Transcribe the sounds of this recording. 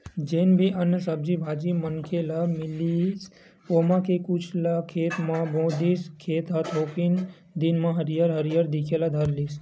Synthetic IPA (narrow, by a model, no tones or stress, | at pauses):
d͡ʒenbʱiʔənəsəbd͡ʒibʱad͡ʒimənkʰelamɪlis | omãkʰekut͡ʃʰlakʰeːt̪mãbõd̪iskʰeːt̪ɦat̪ʰokin | d̪inmãɦəɾijaɾɦəɾijaɾd̪ikʰelad̪ʱəɾlis